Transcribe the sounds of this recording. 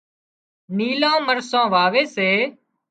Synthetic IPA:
niːlãːməɾsãːʋaːʋeːseː

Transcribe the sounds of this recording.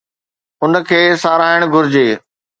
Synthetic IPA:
ʊnə̆kʰeːsaːɾaːɪɽ̃ɡʱʊɾɪd͡ʑeː

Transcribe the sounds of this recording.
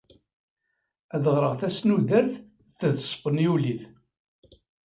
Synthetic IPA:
æðəʁɾˤəʁθæsnuðəɾθ | θəðsˤfənjuliθ

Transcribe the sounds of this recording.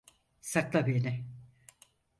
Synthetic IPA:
saklˠabinɛ

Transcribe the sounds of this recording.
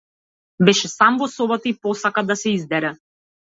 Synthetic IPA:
bɛʃɛsamvɔsɔbat̪aipɔsakad̪asɛizd̪ɛɾɛ

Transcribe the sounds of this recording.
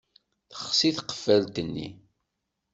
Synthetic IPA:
θə̥χsiθqːə̥fəlt̪ənːḭ

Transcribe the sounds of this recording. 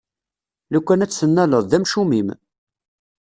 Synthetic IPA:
lækʷːænæt͡sːənːæləðˤðæmʃumim

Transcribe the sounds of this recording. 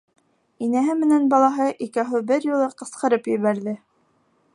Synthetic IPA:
inæɦɘmɘ̆nænbɑlˠɑɦɤʔikæɦɘbɘɾjulˠɤqɤ̆sqɤ̆ɾɤpjɘ̆βæɾðɘ

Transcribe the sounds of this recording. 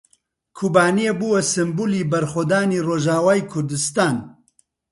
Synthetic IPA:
kʰuːbaːnijebuːwɐsɨmbuliːbɐɾxod̪aːniːroːʒaːwaːjkʰʊɾd̪ɨst̪aːn

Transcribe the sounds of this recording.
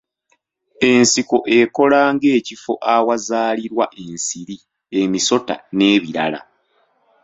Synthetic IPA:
e̞nsiko̞ʔe̞ko̞laːŋɡe̞ːcifo̞̰ʔawazaːliɾwaʔe̞nsiɾi | emiso̞ta̰ne̞ːβiɾa̰la̰

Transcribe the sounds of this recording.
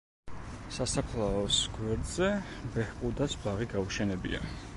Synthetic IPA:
sasapʰlˠaɔsɡ̥wɛɾd̪z̥ɛbɛhpʼud̪asbaʁiɡauʃɛnɛbḭa̰

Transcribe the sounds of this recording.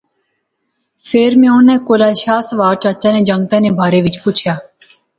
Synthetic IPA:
fʰeːɾmẽʊnːẽːkoːlaːʃaːsʋaːɾt͡ʃətːt͡ʃãːneːd͡ʒə̃ŋɡ̚t̪ãːneːbʱaːɾeːʋɪt͡ʃpʊt͡ʃʰjaː

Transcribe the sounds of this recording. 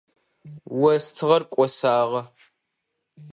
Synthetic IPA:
wɐstʰɨʁɐrkʷʼɔsaːʁɐ

